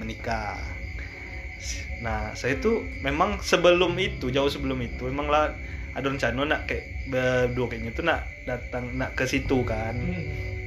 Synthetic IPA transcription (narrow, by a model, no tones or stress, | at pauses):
mənika | nahsajat̪u | memaŋsəbəlʊmit̪ud͡ʒaʊhsəbəlʊmit̪uemaŋla | adɔɾəɲt͡ʃanonaʔkajaʔbəduakaɲat̪unaʔ | dat̪aŋnaʔkəsit̪ukan